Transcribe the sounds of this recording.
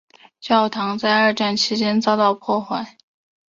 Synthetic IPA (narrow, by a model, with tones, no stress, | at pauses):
t͡ɕjɑ˥˩ʊt̪ʰɑ˧˥ŋt͡sa˥˧ɪə˞˥˧ʈ͡ʂa˥˩nt͡ɕʰi˧˥t͡ɕjɛ˥nt͡sɑ˥ʊt̪ɑ˥˧ʊpʰwɔ˥˧xwa˥˩ɪ